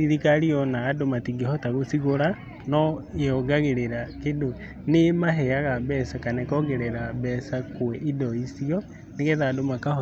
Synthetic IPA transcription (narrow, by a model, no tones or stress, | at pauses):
iɾikaɾiɔnaːdomatiɡehɔtaɣosiɣoɾa | nɔeɔɡaɣeɾeɾakedo | nemaɦɛaɣabɛsakanɛkɔɡɛɾɛɾabɛsakoɛʔidɔisiɔ | neɣɛðadomakahɔ